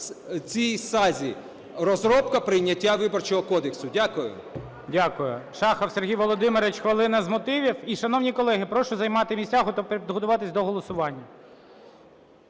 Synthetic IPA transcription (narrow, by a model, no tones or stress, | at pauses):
t͡sʲijsɑzʲi | ɾɔzɾɔpkɐpɾɪjnʲɐtʲːaʋɪbɔrt͡ʃɔɦɔkɔd̪eksʊdʲakʊjʊ̰ | dʲakʊjʊʃɑxɐwsʲerɦʲijʋɔlˠɔd̪ɪmeɾɪt͡ʃxʋɐlˠɪnɐzmɔt̪ɪʋʲiwiʃɐnɔwnʲikɔlˠɛɦɪpɾɔʃʊzɐjmɑt̪ɪmʲisʲtʲaɦɔt̪ɔppʲid̪ɦɔt̪ʊʋɑt̪ɪsʲd̪ɔɦɔlˠɔsʊʋɑnʲːɐ